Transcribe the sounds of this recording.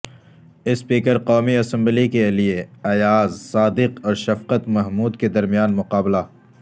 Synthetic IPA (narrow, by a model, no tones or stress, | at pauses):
ɪspiːkəɾqɔːmiɐsɐ̃mblikelieɐjaːzsaːd̪ɪqɔːɾʃɐfqət̪mɐɦmuːd̪ked̪ɐɾmijaːnmʊqaːbla